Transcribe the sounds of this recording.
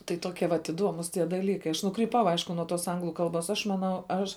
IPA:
tɐɪ ˈtoːkʲiɛ ʋɐt ɪˈduɔmʊs tʲiɛ dɐˈlʲiːkɐɪ ɐʃ nʊkrʲiːˈpɐʊ ˈɐɪʃkʊ nuɔ toːs ˈɐŋɡlˠʊ ˈkɐlˠboːs ɐʃ mɐˈnɐʊ ˈɐʃ

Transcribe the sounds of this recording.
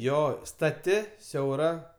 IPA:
ˈjoː stɐˈtʲɪ sʲɛʊˈrɐ

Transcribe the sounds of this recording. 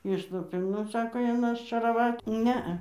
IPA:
ˈɪʃlˠʊpʲeː ˈnʊ ˈsɑːkoː ˈjɪn ɐʃʲt͡ʃʲɛrɐˈʋɐtʲ ˈnʲɛɐ

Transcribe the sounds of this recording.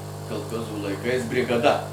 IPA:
kɐlˠˈxoːzuː lˠɐɪˈkɐɪs bʲrʲɪɡɐˈdɐ

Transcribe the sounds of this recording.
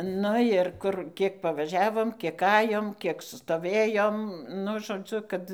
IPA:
ˈnʊ ɪr ˈkʊr ˈkʲiɛk pɐˈʋɑːʒʲɛʋoːm ˈkʲiɛk ˈɑːjoːm ˈkʲiɛk stoːˈʋʲeːjoːm ˈnʊ ʒoːˈd͡zʲʊ ˈkɐt

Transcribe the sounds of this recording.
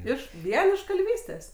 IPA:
ˈɪʃ ˈʋʲiɛn ɪʃ kɐlʲˈʋʲiːsʲtʲeːs

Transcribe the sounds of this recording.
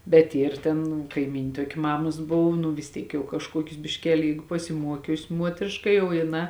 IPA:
bʲɛt ˈiːr ˈtʲeːn kɐɪˈmʲiːnʲ ˈtuɔkʲɪ ˈmɑːmɐs ˈboːw nʊ ʋʲɪs ˈtʲiːk jɛʊ kɐʃˈkuɔkʲʊs bʲɪʃʲˈkʲæːlʲɪ ˈjɛɪɡʊ pɐsʲɪˈmuɔkʲʊsʲ ˈmuɔtʲrʲeːʃkɐ ˈjɛʊ jɪˈnɑː

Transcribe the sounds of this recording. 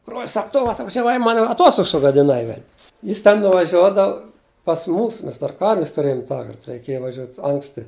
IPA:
broːlʲs ˈsɐk ˈtʊ ɐtʋɐʒʲɛˈʋɐɪ ˈmɐn ɐˈtoːstoːks sʊɡɐdʲɪˈnɐɪ ʋʲɛlʲ ˈjɪs tʲɛn nʊʋɐˈʒʲuɔdɐw pɐs ˈmuːs ˈmʲɛs dɐr ˈkɐrʲʋʲɪs tʊˈrʲeːjʊm ˈtɑːkɐrt rʲɛɪˈkʲeːjɛ ʋɐˈʒʲuɔtʲ ˈɐŋksʲtʲɪ

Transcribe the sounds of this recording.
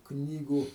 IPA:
ˈknʲiːɡuː

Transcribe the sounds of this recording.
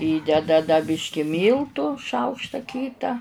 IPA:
ˈiːdʲɛdɐ dɐ ˈbʲɪʃʲkʲɪ ˈmʲiːlˠtuː ˈʃɐʊkʃtɐ ˈkʲiːtɐ

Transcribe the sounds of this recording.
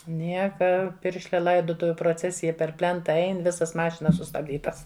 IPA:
ˈnʲiɛkɐ ˈpʲɪrʲʃʲlʲɛ ˈlˠɐɪdoːtʊʋʲʊ proːˈt͡sʲæːsʲɪjɛ pʲɛr ˈpʲlʲɛntɐ ˈɛɪn ˈʋʲɪsɐs ˈmɑːʃʲɪnɐs sʊstɐbʲˈdʲiːtɐs

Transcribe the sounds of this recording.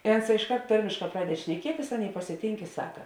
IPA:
eː oːnˈsɑː ɪʃˈkɐrt ˈtɐrʲmʲeːʃˌkɑː ˈprɑːdʲɛt ʃʲnʲɛˈkʲiɛtʲɪs ˈɑːˌnʲeːɪ pɐsʲɪˈtʲiːŋk ɪ ˈsɑːkɐ

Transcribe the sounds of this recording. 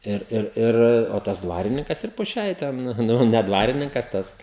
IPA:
ˈɪr ˈɪr ˈɪr oː ˈtɐs ˈdʋɑːrʲɪnʲɪŋkɐs ɪr poː ˈʃʲɛɪ ˈtʲɛn ˈnʊ nʲɛ ˈdʋɑːrʲɪnʲɪŋkɐs ˈtɐs

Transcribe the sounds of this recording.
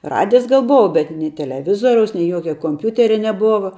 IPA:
ˈrɑːdʲɪjs ˈɡɐlˠ ˈboːʋɐ bʲɛt nʲɛɪ tʲɛlʲɛˈʋʲɪzoːrʲɛʊs nʲɛɪ ˈjuɔkʲɛ koːmʲˈpʲuːtʲɛrʲɛ nʲɛˈboːʋɐ

